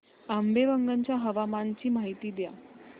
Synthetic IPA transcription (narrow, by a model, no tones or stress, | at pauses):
ambeʋəŋɡəɲt͡ɕjaɦəʋamant͡ɕiːmaɦit̪iːd̪ja̰